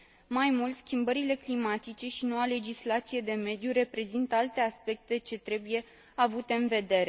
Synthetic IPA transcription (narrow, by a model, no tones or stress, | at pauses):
majmult̪skʲimbəɾile̞klimat̪it͡ʃe̞ʃino̞wale̞d͡ʒislat̪sije̞d̪e̞me̞d̪juɾe̞pɾe̞zint̪əalt̪e̞aspe̞k̚t̪e̞t͡ʃe̞t̪ɾe̞buje̞ | avut̪e̞ɨnve̞d̪e̞ɾe̞